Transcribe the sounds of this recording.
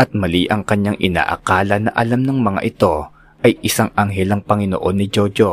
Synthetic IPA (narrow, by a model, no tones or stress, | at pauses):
ʔɐt̪̚mɐliːʔɐŋkɐɲːaŋʔɪna̰ːʔɐ̰kaːlɐnɐʔɐlamnɐŋmɐŋa̰ʔɪt̪o̞ | ʔɐjʔɪsaŋʔaŋɦɛlɐŋpɐŋɪno̰ʔo̞nːɪd͡ʒod͡ʒo